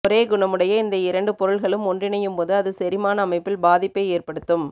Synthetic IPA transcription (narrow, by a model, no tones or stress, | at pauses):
ɔɾeːɡʊɳɐmɯɽɐjɐɪnd̪ɐɪɾɐɳɖɯpɔɾɯɭɣɐɭɯmɔndrɪnɐjɯmpoːðɯɐðɯsɛɾɪmaːnɐːmɐɪpːɪlbaːðɪpːɐɪeːrpɐɽɯt̪ːɯm